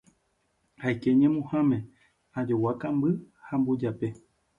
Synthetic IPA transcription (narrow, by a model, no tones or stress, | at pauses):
hajke̞ɲẽmõhãmẽ̞ | ad͡ʒowakambɨ | hambod͡ʒape̞